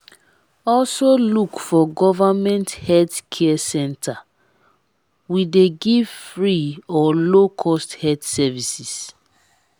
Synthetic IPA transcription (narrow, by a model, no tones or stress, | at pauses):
ɔlsolukfɔɡɔvamɛ̃nthɛltkʰɛɛsɛ̃ntʰa | wideɡiv̥fɹiɔlokʰɔsthɛtsɛvisis